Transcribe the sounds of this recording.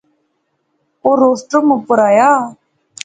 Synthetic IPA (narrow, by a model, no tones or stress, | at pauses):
oːɾoːsʈoməpʊɾaːjaː